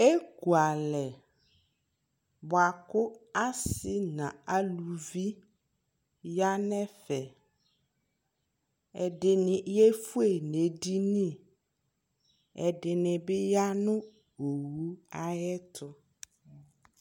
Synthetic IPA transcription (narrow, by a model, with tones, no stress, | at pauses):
e˦ku˨a˨lɛ˨ | bʊ˨a˨kʊ˦a˦sɪ˨nã˨a˨lu˨vi˦ | ja˦nɛ̃˦fɛ˨ | ɛ˨dɪ˨nɪ̃˨˦jɛ˦fu˦e˦˨ne˨di˦nĩ˦˨ | ɛ˨dɪ˨nɪ̃˨bɪ˦ja˦nʊ̃˦ | o˨wu˦a˦jɛ˦tʰʊ˦